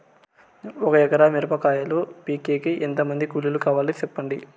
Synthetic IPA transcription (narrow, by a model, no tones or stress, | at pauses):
ɔkɐɛkɐɾamiɾɐpɐkaːjɐlopiːkeːkiʔent̪ɐmɐnd̪ikululukaːʋaːlit͡ʃɛpːɐɳɖḭ